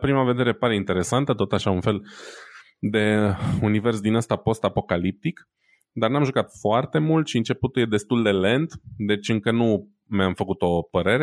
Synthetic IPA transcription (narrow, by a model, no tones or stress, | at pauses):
pɾimave̞d̪e̞ɾe̞paɾe̞int̪e̞ɾe̞sant̪ət̪ot̪aʃaunfe̞l | d̪e̞unive̞rsd̪inast̪apo̞st̪apo̞kalip̚t̪ik | d̪arnamʒukat̪foart̪e̞mult̪ʃiɨnt͡ʃe̞put̪uljed̪e̞st̪uld̪e̞le̞nd̪d̪e̞t͡ʃʲɨŋkənu | meamfəkut̪o̞pəɾe̞ɾe